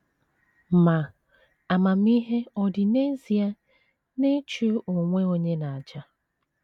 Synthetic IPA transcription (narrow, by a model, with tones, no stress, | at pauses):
ma˨ | a˨ma˨m̩˦i˦ɦe˦ɔ˨dɪ˨ne˦zi˨a˦ | ne˦t͡ʃu˦ʔo˨ŋʷe˦o˦ɲe˦na˨a˨d͡ʒa˦